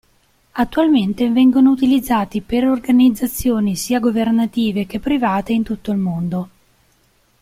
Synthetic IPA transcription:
at̪ːualment̪evɛŋɡonout̪ilid̪zːaːt̪ipeɾorɡanid̪zːat̪sːjoːnisiːaɡovernat̪iːvek̟epːɾivaːt̪eint̪ut̪ːoilmond̪o

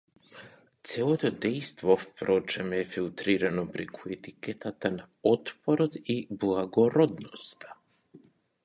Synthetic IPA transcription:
t̪sɛlˠɔt̪ɔd̪ɛjst̪vɔfpɾɔt͡ʃɛmɛfilˠt̪ɾiɾanɔpɾɛkʰuɛt̪ikɛt̪at̪ana | ɔt̪pɔɾɔt̪iblˠaɡɔɾɔd̪nɔst̪ʰḁ

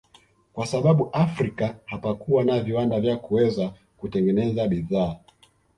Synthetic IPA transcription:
kwasaɓaɓuʔafɾikahapakuwanaviwandavjakuwɛza | kutɛŋɡɛnɛzaɓiðaː

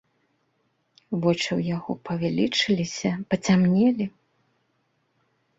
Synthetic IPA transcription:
vɔt͡ʂɨwjaɣɔpɐvʲalʲit͡ʂɨlʲisʲɐpɐt͡sʲamnʲɛlʲi

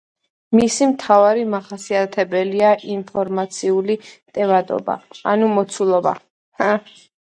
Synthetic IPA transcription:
misimt̪ʰavaɾimaχasiat̪ʰɛbɛliaʔinpʰɔɾmat̪sʰiulit̪ʼɛvad̪ʼɔ̰ba̰a̰numɔt̪sʰulˠɔba̰ | ha

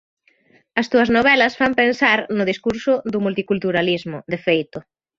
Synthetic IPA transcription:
ɐst̪uɐznoβ̞ɛlɐsfampensaɾnʊðiskuɾsʊðʊmult̪ikult̪uɾalizmʊd̪efejt̪ʊ

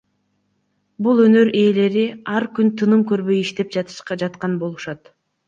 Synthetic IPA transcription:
bulˠø̞nø̞ɾe̞ːle̞ɾiɑɾkynt̪ʰɯnɯmkø̞ɾβø̞jiʃt̪e̞p̚d͡ʒɑt̪ɯ̥ʃqɑd͡ʒɑt̪qɑnbo̞lˠuʃɑt̪

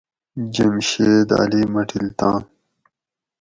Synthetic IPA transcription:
d͡ʑɐmɕed̪a̰ːlimɐʈʰilt̪ãː

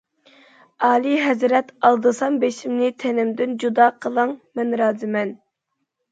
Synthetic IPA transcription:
ɑːlˠiɦɛzɾɛt̪ɑlˠd̪ɨsɑmbeʃimnɪt̪ʰɛnɪmd̪ɪnd͡ʒud̪ɑːqʰəlˠɑŋmɛnɾɑːzɪmɛn

